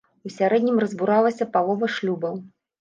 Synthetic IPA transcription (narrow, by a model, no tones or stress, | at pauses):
usʲaɾɛd̪ʲnʲimrɐzbuɾalˠɐsʲɐpalˠɔvɐʂlʲubɐw